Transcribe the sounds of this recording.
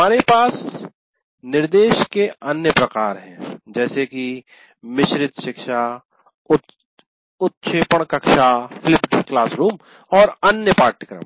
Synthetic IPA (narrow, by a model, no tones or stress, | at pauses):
aːɾepaːs | nɪɾd̪eːʃkeɐnjəpɾɐkaːɾɦɛ̃d͡ʒɛːseki | mɪʃɾɪt̪ʃɪkʃa | ʊ | ʊt̪ʃʰeːpəɽ̃kɐkʃafʰɪlɪpɖklaːsɾuːm | ɔːɾɐnjəpaːɾʈɪkɾə̰m